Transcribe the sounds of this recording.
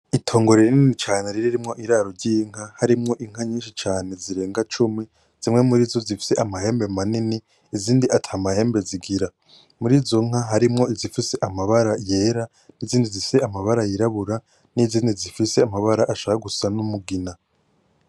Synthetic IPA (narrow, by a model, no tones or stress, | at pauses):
itʰo̞ːŋɡo̞ɾeɾininit͡ʃaːne̞ɾiɾiɾimŋo̞ʔiɾaːɾoɾɟiːŋ̥hahaɾimŋo̞ʔiŋ̥aɲiːnʃit͡ʃaːne̞ziɾe̞ːŋɡat͡ʃumi | z̥imŋe̞muɾiːzo̞zifi̥se̞ʔamahe̞ːmbe̞maniniː | ziːndiʔatʰaːmahe̞ːmbe̞ziɡiɾa | muɾiːzoŋ̥haɦaɾimŋo̞izifise̞ʔamaβaɾaje̞ːɾa | niziːndizise̞amaβaɾajiɾaβuɾa | niziːndizifise̞amaβaɾaʔaʃahaɡusanumuɡina